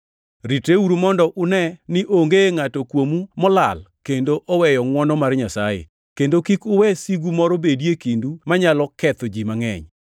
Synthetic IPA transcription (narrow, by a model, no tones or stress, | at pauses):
ɾiteuɾumɔndɔʔʊnɛnɪʔoŋɡeŋatɔkwomumɔla̰lkendoʔɔwɛjɔŋwɔnɔmarɲasajḛ | kendokikʊwɛsiɡumɔɾɔbedjekindumaɲalɔkɛt̪ɔd͡ʒimaŋɛ̰ɲ